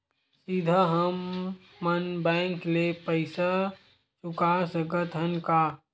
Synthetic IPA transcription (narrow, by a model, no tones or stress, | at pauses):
sid̪ʱəɦəmː | ənbɛ̃ŋklepəɪsa | sʊkaːsəɡət̪ʰənka